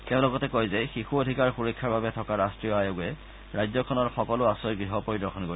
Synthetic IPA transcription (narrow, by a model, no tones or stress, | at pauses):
tɛʊ̃lɔɡɔtɛkojzɛxixuodʱikaɹxuɹɔkʰːaɹbabɛtʰɔkaɹastɹiɔajoɡɛ | ɹajzɔkʰɔnɔɹxɔkɔlʊasɔjɡɹiɦɔpoɹidɔkʰɔnkoɹi